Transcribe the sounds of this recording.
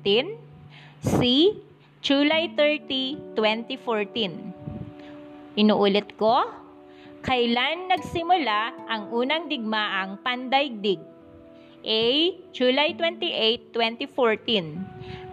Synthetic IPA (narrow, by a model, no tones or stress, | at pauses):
t̪in | si | d͡ʒulajt̪ɛɹt̪it̪wɛnt̪ifoɹt̪in | ʔɪnuːʔʊlɛt̪̚ko̞ | kɐɪlanːɐɡsɪmʊlaʔɐŋʔuːnɐŋd̪ɪɡ̚maʔɐŋpɐnd̪ajɡ̚d̪ɪɡ̚ | ʔɛjd͡ʒulajt̪wɛnt̪iʔejt̪ːwɛnt̪ifoɹt̪in